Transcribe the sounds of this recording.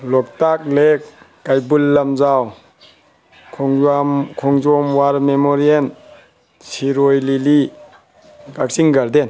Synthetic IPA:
lɔk̚tak̚lekː | ajbulːamzaw | mkʰɔŋd͡ʒɔmwaɾmemɔɾien | siɾojlili | ɡak̚siŋɡaɾden

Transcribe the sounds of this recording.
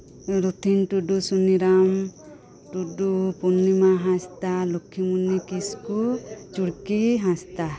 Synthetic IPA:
ɾut̪ʰinʈuɖusuniɾam | ʈuɖupunːimaɦãst̪alokʰːimunikiskut͡ʃuɽkiɦãst̪a

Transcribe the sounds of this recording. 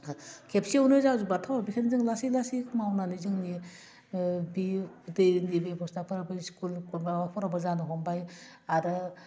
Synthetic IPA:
kʰepsiwnɯzawzubatʰawbisʰenzɯŋlasilasikʰɯmawnanizɯŋni | bidejnibejpʰɔstapʰɯɾabɯskʰulbawapʰɔɾabɯzanɯɦɔmbaj | aɾɯ

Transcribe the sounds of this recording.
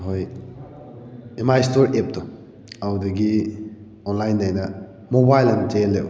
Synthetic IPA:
ɦoj | emajstoɾep̚do | awdɐɡi | ɔnlajnːajnɐ | mobajlɐmtelːe

